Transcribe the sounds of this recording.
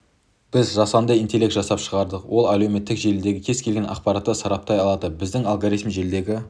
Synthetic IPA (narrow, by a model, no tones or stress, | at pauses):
b̥ɪzʒɑsɑnd̪əint̪elʲe̞kt̪ʒɑsɑpʃəʁɑɾd̪əqwʔo̞lˠælewme̞t̪ːɪkʒe̞lɪd̪e̞ɡʲɪkʲʰe̞z̥kʲʰe̞lɡʲe̞nʔɑ̰qpɑɾɑt̪ːəsɑɾɑp̚t̪ɑjɑlˠɑd̪əbɪzd̪ɪŋɑlˠɡaɾit̪mʒe̞ld̪e̞ɡʲɪ